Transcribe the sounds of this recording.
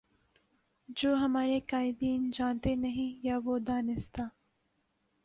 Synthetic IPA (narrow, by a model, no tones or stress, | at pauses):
d͡ʒoːɦɐmaːɾekaːɪd̪iːnd͡ʒãːnt̪enɐɦĩjaːʋoːd̪aːnɪst̪aː